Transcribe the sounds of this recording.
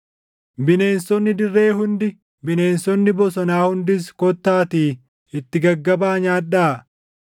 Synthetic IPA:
bɪne̞ːnsɔnːɪd̪ɪrːe̞ːɦʊnd̪ɪ | bɪne̞ːnsɔnːɪbɔsɔnaːhʊnd̪ɪskɔt̪ːaːt̪iː | ɪt̪ːɪɡɐɡːɐbaːɲaːᶑaː

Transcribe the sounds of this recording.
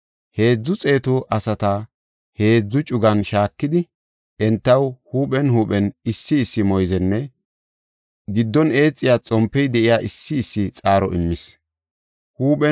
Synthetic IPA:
he̞ːd͡zːʊt͡sʼe̞ːt̪ʊʔɐsɐt̪ɐ | he̞ːd͡zːʊt͡ʃʼʊɡɐnʃaːkːɪd̪ɪ | ʔɛnt̪ːɐwhuːpɛnhuːpɛnɪsːɪːsːɪmɔjzɛnːɛ | ɡɪd̪ːɔne̞ːt͡sʼːɪjaːt͡sʼɔmpːɛjd̪ɛʔɪjaːʔɪsːɪːsːɪt͡sʼaːɾɔʔɪmːɪs | huːpɛ

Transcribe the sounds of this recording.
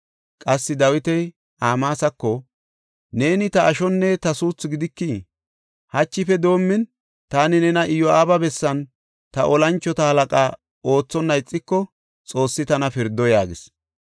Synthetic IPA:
kʼɐsːɪd̪ɐwɪt̪ɛj | aːmaːsɐkːɔ | ne̞ːnɪt̪ɐʔːʃɔnːɛt̪ɐsuːt͡sːʊɡɪd̪ɪkːi | hɐt͡ʃːɪfɛd̪o̞ːmːɪn | t̪aːnɪnɛnɐʔɪjɔaːbɐbɛsːɐn | t̪ɐʔɔlɐnt͡ʃːɔt̪ɐhɐlɐkʼaː | o̞ːt͡sːɔnːɐjt͡sʼːɪkːɔ | t͡sʼo̞ːsːɪt̪ɐnɐfɪɾd̪ːɔjaːɡɪs

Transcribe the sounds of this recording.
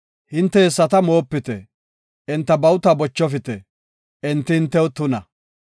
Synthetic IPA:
hɪnt̪ːɛhɛsːɐt̪ɐmo̞ːpːɪt̪ɛ | ʔɪnt̪ːɐbɐwʊt̪ɐbɔt͡ʃːɔfɪt̪ɛ | ɛnt̪ːɪhɪnt̪ːɛwt̪ʊnɐ

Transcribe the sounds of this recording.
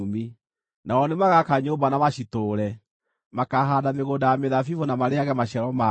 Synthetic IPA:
mi | naɔnemaɣakaɲoːmbanamaɕitoːɾɛ | makaɦadameɣodajameðafivonamaɾeaɣɛmaɕɛɾɔma

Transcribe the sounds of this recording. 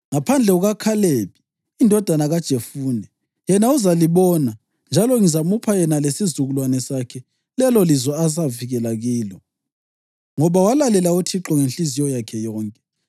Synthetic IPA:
ŋapʰand͡ɮʱɛɣuɣakʰaleβiː | ndʱɔd̥ʱanaɣad̥ʒ̥ʱefuːnɛ | jɛnauzaliβɔna | nd͡ʒʱalɔŋizamupʰajɛnalesizuɣulwanɛsakʰɛ | lɛlɔlizɔas̬aviɣɛlaɣiːlɔ | ŋɔβawalalɛlautʰiǁɔŋenɬizijɔjakʰɛjɔːŋkʼɛ

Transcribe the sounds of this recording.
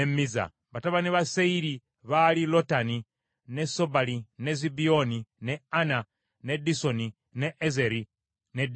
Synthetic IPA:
emiza̰ | βataβaniβaseili | βalilotani | nesobalinezibionineana | nedisoni | neʔezeɾi | ned

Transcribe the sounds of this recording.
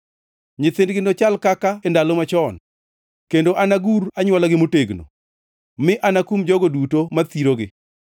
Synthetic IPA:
ɲɪt̪ɪndɡɪndot͡ʃalkakaɛndalɔmat͡ʃɔn | kendoʔanaɡuɾaɲwɔlaɡɪmoteɡno̰ | mɪʔanakumd͡ʒɔɡodutomat̪iɾoɡɪ

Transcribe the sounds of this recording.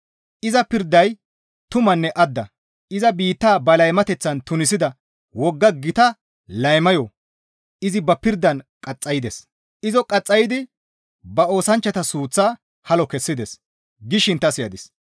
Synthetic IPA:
ʔɪzɐpɪɾd̪ːɐj | t̪ʊmɐnːɛʔɐd̪ːɐ | ʔɪzɐbiːt̪ːaːbɐlɐjmɐt̪ɛt͡sːɐnt̪ʊnɪsɪd̪ɐ | wɔɡːɐɡɪt̪ɐ | lɐjmɐjɔ | ɪzɪbɐpɪɾd̪ːɐnkʼɐt͡sʼːɐjɪd̪ɛs | ɪzɔkʼɐt͡sʼːɐjɪd̪ɪ | bɐo̞ːsɐnt͡ʃːɐt̪ɐsuːt͡sːaː | hɐlɔkɛsːɪd̪ɛs | ɡɪʃɪnt̪ːɐsɪjɐd̪ɪs

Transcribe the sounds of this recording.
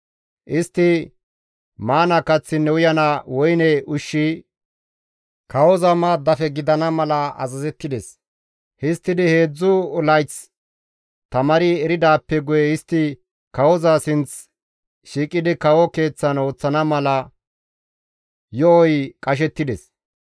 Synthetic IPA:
ʔɪst̪ːɪ | maːnɐkɐt͡sːɪnːɛwʊjɐnɐwɔjnɛʊʃːi | kʰɐwɔzɐmaːd̪ɐfɛɡɪd̪ɐnɐmɐlɐɐ̰zɐzɛt̪ːɪd̪ɛs | hɪst̪ːɪd̪ɪhe̞ːd͡zːʊlɐjt͡s | t̪ɐmɐɾɪɛɾɪd̪aːpːɛɡʊjɛɪst̪ːɪ | kɐwɔzasɪnt͡s | ʃiːkʼɪd̪ɪkɐwɔke̞ːt͡sːɐno̞ːt͡sːɐnɐmɐlɐ | jɔɔjkʼɐʃ̬ɛt̪ːɪd̪ɛs

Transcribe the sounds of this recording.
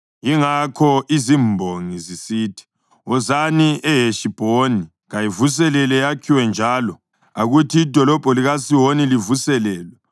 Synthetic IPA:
jiŋakʰɔʔizimbʱoŋizisiːtʰi̥ | ɔzaniʔɛjeʃib̥ʱoni | ɣajivus̬ɛlɛlɛjakʰiwɛnd͡ʒʱaːlɔ | aɣutʰiːd̥ʱɔlɔb̥ʱɔliɣasiwonilivusɛlɛːlwɛ

